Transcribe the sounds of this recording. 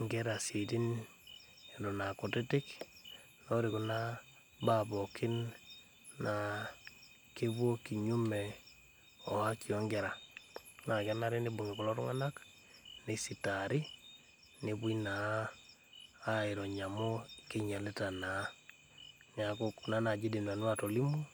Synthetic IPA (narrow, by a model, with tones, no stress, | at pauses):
ŋɡɛ˦ɾa˨si˨ti˦n | e˨dɔ˨na˨ku˨te˦tɪ˦k | no˦ɾi˨ku˦na˦ | ba˨bɔ˨kʰɪ˦nː | a˨ | ke˦βwo˦ki˨ɲu˦mɛ˨ | ɔ˨ha˦ki˨ɔ˦ŋɡɛ˨ɾa˨na˨ka˦na˦ɾe˦ni˦bu˨ŋi˨ku˨lɔ˦tṵ˦ŋa˦na˦k | ni˦si˨ta˨ɾi˦ | ni˦βu˦ina˨˦ | a˦i˨ɾɔ˨ɲa˨mo˦ke˦ɲa˨le˦ta˨na˨˦ | n˨a˨ko˦kna˦na˨d͡ʒi˦de˨n˨a˨n˦wa˦to˨li˦mu˦